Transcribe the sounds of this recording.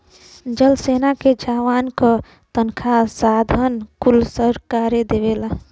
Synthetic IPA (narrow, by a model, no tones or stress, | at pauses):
d͡ʒəlsenaked͡ʒaʋankə | t̪ənkʰasad̪ʱənkulsəɾkaːɾed̪ebela